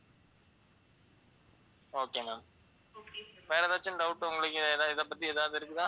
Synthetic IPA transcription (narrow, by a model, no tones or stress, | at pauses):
oːkeːnaːn | ʋeːɾɐðaːt͡ʃːɐnɖɐʊʈːɯʊŋɡɐɭɯkːɯðaɪðɐp̬ːɐt̪ːieːðaːʋɐðɯɪɾɯkːɯt̪ãː